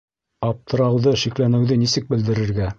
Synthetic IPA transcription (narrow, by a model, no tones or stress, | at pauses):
ɑp̚t̪ʰɤ̆ɾɑwðɤʃiklænɘ̆wðɘnisɘk̚bɘ̆ld̪ɘ̆ɾɘ̆ɾɡæ